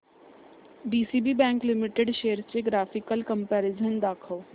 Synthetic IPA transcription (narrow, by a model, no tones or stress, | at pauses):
biːsiːbibɛ̃ːŋklɪmɪʈeɖʃeːəɾt͡ɕeɡɾaːfɪkəlkə̃mpɛːɾɪd͡ʒənd̪aːkʰəː